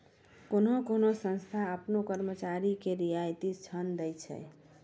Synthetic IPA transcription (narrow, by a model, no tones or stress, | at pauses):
konokonosə̃nst̪ʰaəpnokəɾmət͡ʃaɾikeɾijajt̪it͡ʃʰənd̪ɛjt͡ʃʰɛ̰